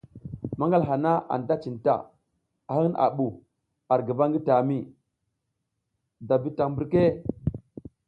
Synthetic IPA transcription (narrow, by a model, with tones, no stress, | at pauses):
ma˦ŋɡa˦˨lɦa˨na˦ʔa̰˨nda˦t͡ʃi˨nta̰˨ | a˨ha˦ŋ˦nʔa̰˨ɓu˨ | a˨ɾɡi˨ba˦ŋɡi˦ta˨mi˦˨ | da˨bi˦ta˨ŋmbu˦ɾke˦